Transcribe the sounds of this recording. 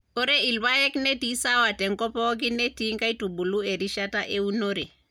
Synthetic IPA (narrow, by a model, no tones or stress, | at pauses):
oɾeilwajeknetisawatɛŋkɔpɔk̬inetiŋkajtubulueɾiʃataʔeunoɾe